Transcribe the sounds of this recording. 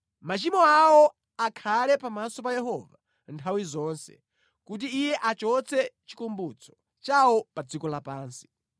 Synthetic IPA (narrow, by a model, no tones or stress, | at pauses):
mat͡ʃimɔawɔ | akʰalɛpamasɔp̬ajɛɦɔva | ntʰawizɔːnsɛ̰ | kut̬iːjɛʔat͡ʃɔt͡sʰɛt͡ʃi̥kumbut͡sʰɔ̥ | t͡ʃawɔpad͡zikɔlapaːnsi̥